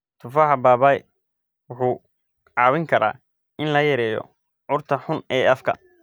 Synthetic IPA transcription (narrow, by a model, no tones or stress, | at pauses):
t̪ʰʊfaːħɑbaːbaːj | wʊħuː | ʕɑːwɪŋkʰɐɾa̰ː | ʔɪnlɐjɐɾɛːjɔ̰ | ʕʊrt̪ʰɐħʊnɛːʔɐfkʰɐ̰